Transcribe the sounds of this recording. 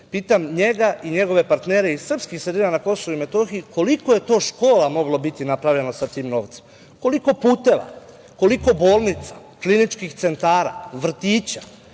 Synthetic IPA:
piːt̪amɲe̞ɡaiɲe̞ɡo̞ʋe̞paɾt̪ne̞ːɾe̞isr̩pskixsɾed̪iːnanako̞soʋuime̞t̪o̞xiiko̞liko̞je̞t̪o̞ːʃko̞ːlamo̞ɡlobit̪inapɾaʋʎe̞nasat̪iːmno̞ːʋt̪se̥m | ko̞liko̞puːt̪e̞ʋa̰ | ko̞liko̞bo̞ːlˠnit̪sḁ | klinit͡ʃkixt̪se̞nt̪aːɾa̰ʋr̩t̪iːt͡ɕḁ

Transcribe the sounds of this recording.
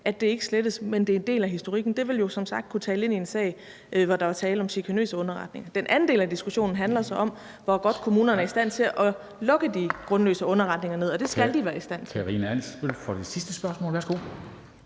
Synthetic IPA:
ʔæd̥e̝e̝ɡ̥əsled̥əsmend̥e̝ɐe̝nd̥e̝̰ːlæɦisd̥o̝ʁiɡ̥n̩d̥e̝ʋe̝ljo̝sɒ̽msɑ̈ɡ̥̚d̥̚kʰut͡sʰɛːləe̝nie̝nsɛ̰ɪ | ʋɒd̥ɑ̈ʋɑ̈t͡sʰɛːləɒ̽mɕikʰænø̰ːsəɔ̽nɐʁɑ̈d̥ne̝ŋɐd̥enʔæn̩d̥e̝ːlæd̥isɡ̥uɕo̝̰ːnn̩ɦænlɐsɑ̈ɪɒ̽m | ʋɒɡ̥ɒ̽d̥̚kʰo̝muːnɐnəæɐisd̥æn̰t͡sʰe̝ʔɒ̽ | lɔ̽ɡ̥əd̥iɡ̥ʁɔ̽nlø̰ːsəɔ̽nɐʁɑ̈d̥ne̝ŋɐne̝ð̰ˠɒ̽d̥e̝sɡ̥æld̥iʋæːɐisd̥æn̰kʰæʁḭnəæn̰sʋelfɒd̥e̥sisd̥əsb̥ɶɐsmɔ̰ːlʋæɐsɡ̥o̝̰

